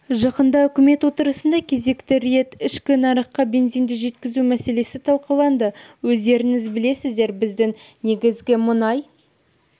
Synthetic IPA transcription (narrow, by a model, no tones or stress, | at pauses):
ʒɑqənd̪ɑʏkʲɪme̞t̪wot̪əɾəsənd̪ɑkʲʰe̞ze̞kt̪ɪɾije̞t̪ɪʃkʲɪnɑɾəqqːɑbe̞nzijnd̪ɪʒe̞t̪kʲɪzumæse̞le̞sɪt̪ʰɑlˠqəlˠɑnd̪əwɵzd̪e̞ɾɪŋɪzbɪle̞sɪzd̪e̞ɾbɪzd̪ɪŋ | ne̞ɡʲɪzɡʲɪmʊnɑj